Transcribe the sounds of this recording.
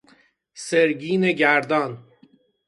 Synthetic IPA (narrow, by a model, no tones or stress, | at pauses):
seɾɟiːne̞ɟæɾd̪ɒːn